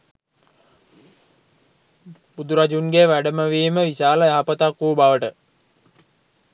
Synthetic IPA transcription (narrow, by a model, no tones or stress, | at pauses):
bud̪uɾad͡ʒunɡeʋæɖəməʋiːməʋiɕaːləjaɦapət̪akʋuːbaʋəʈə